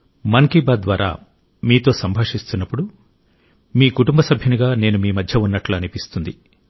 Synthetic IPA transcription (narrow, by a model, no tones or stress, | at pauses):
mɐŋkibaːd̪d̪ʋaːɾa̰ː | miːt̪o̞ːsɐmbʱaːʂist̪unːɐpːuɽu | miːkuʈumbɐsɐbʱjɐniɡaːne̞ːnumiːmɐd̪ʱjɐunːɐʈluɐnipist̪und̪i